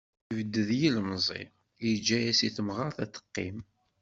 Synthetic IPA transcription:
ivəd̪ːəðjilmzˤḭ | jid͡ʒːæjæsiθəmʁəɾθæθə̥qːḭm

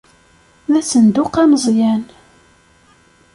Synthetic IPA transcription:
ðæsənd̪ʊqæməzˤjæn

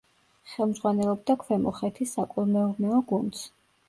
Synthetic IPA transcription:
χɛlˠmd̪zʁwanɛlˠɔb̚d̪akʰvɛmɔχɛt̪ʰisakʼulˠmɛɔɾnɛɔɡund̪s

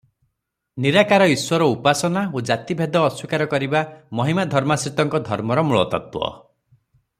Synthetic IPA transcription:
niɾakaɾɔiswɔɾɔupasɔnaod͡ʒat̪ibʱed̪ɔːswikaɾɔkɔɾibamɔɦimad̪ʱɔɾmasɾit̪ɔŋkɔd̪ʱɔɾmɔɾɔmuɭɔ̰t̪ɔ̰t̪wɔ̰

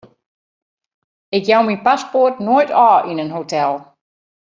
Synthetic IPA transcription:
ɪkjawmipaspotnojtɔːʔinənɦotʰɛlˠ

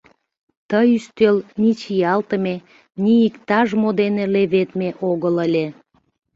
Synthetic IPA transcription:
t̪əjyst̪ølnʲit͡ɕijɑlt̪əme | nʲiikt̪ɑʒmod̪eneleβet̪meʔoɣələlʲe

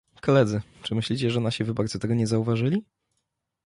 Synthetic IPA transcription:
kɔlɛd̪zɘt͡ʂɘmɘɕlʲit͡ɕɛʐɛnaɕivɘbaɾd̪zɔt̪ɛɡɔɲɛzauvaʐɘlʲi

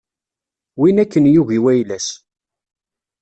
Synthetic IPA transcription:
winækːənjuɣiwæjlæs

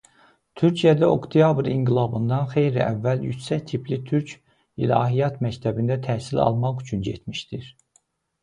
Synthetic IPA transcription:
t̪ʰyɾcʰijæd̪æo̰kt̪ʰijɑbɾiŋɡilˠɑbɯnd̪ɑnxe̞jɾiæ̰vːæljy̰c̪sæct̪ʰipʰlit̪ʰyɾcʰ | ḭlɑ̰ːɦijɑt̪mæct̪ʰæbind̪æt̪ʰæhsilɑ̰lˠmɑχyt͡ʃʰynɟḛt̪ʰmiʃt̪iɾ̥

